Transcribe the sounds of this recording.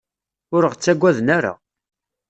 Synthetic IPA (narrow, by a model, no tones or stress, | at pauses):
ʊɾəʁt͡sːæɡʷːæðnæɾa̰